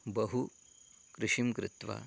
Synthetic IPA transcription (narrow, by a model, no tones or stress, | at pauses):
bɐɦu | kɾɪʂimkɾɪt̪ʋa̰